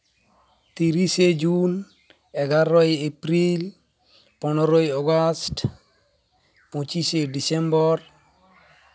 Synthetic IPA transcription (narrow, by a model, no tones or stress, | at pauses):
t̪iɾised͡ʒun | ɛɡaɾɔiepɾil | pɔnɔɾojɔɡast | pot͡ʃisedisɛmbɔr